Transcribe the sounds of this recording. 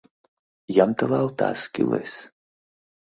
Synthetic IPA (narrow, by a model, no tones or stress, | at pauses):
jamt̪alˠalˠt̪a̰ːskʲḭlḛs